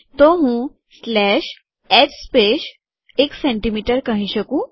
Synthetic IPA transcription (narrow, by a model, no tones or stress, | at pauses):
t̪oɦũ | slɛɕ | ɛd͡ʑspeɕ | eksẽɳʈimiʈəɾkaɦĩɕəkũː